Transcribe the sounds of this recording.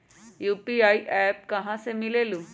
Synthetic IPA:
juːpiaiʔɛːp̚kɐɦãsemileːlu

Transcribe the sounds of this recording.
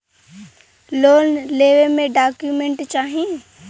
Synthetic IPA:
loːnleːʋemẽɖaːkjumẽɳʈt͡ʃaːɦie

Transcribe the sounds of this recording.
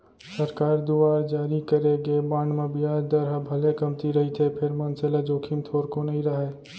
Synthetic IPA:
səɾkaːɾd̪uaɾd͡ʒaːɾikəɾeɡebãːɳɖmẽbijad̪əɾɦabʱəlekəmt̪iɾəɦit̪ʰepʰeɾmənseled͡ʒoːkʰimt̪ʰoɾkonəiɾəɦɛ

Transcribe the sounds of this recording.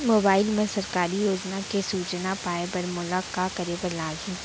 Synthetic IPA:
moːbaːɪlmẽsɐɾkaːɾijoːznakesuːt͡ʃnapaːebɐɾmʊlakːakɐɾebɐlaːɡɦĩː

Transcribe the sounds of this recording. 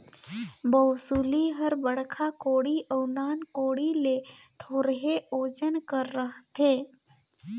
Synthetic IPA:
bəwsuliɦəɾbəɽ̤kʰakoːɽiʔəwnaːnkoːɽilet̪ʰoːɾɦeoːd͡ʒənkəɾːəɦt̪ʰeː

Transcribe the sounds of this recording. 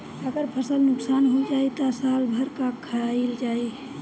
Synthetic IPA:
əɡəɾpʰəsəlnʊksanɦod͡ʒait̪ɔsalbʱəɾkakʰːaaild͡ʒai

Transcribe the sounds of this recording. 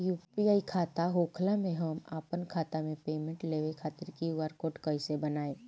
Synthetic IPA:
juːpiaːikʰaːt̪aɦoːkʰlamẽɦɐmaːpənkʰaːt̪amẽpeːmẽɳʈleːʋekʰaːt̪ɪɾkiʊaɾkoʈkəisebɐnaːe

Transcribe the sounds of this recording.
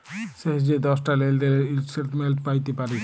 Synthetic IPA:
seɦd͡ʒed̪ɔsʈaleld̪eɾeiseɾt̪melt̪pajt̪epaɾi

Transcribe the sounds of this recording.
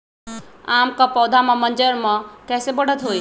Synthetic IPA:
aːmkapɔːd̪ʱamãmə̃nd͡ʒəɾmãkɛːsebəɽ̤ət̪ɦoːi

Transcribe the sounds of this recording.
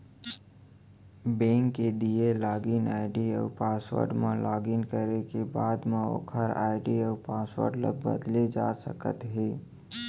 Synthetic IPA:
bẽːŋkːed̪ielaːɡinaːɪɖiə̰ːpaːswə̰ɾɖmẽlaːɡinkəɾekebaːd̪meo̰kʰəɾa̰ːɪɖiəpaːswə̰ɾɖlə̰b̚bə̰d̪lid͡ʒaːsə̰kə̰t̪ɦiː

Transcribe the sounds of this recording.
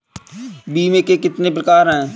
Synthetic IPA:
biːmẽːkekɪt̪nep̬ɾəkaːɾɦɛ̃ː

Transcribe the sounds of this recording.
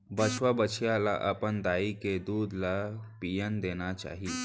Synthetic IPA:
bət͡ʃʰʋabət͡ʃʰjala̰ʔəpənd̪aːiked̪uːd̪lapijənd̪eːnat͡ʃa̰ːɦiː

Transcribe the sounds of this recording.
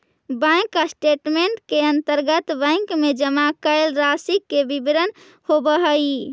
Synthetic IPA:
bə̃kasʈeʈmeɳʈkeənt̪əɾɡət̪bə̃ɪŋkmed͡ʒəmakəelɾasikːebibɾən | hobəɦəi

